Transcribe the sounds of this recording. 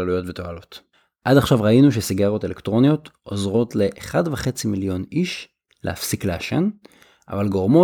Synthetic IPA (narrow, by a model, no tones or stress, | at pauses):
alujo̞tveto̞alo̞t | ʔadaχʃavʁainuʃ̬esiɡaʁo̞te̞lektʁo̞nijo̞tʔo̞zʁo̞tle̞ʔːχadveχe̞t͡similjo̞niʃ | lḛa̰fsikleaʃḛn | ʔa̰valɡo̞ʁmo